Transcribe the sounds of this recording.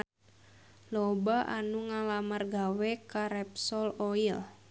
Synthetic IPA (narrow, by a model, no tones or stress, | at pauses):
lɔbaʔa̰nuŋalamarɡawɛkaɾɛpsɔloil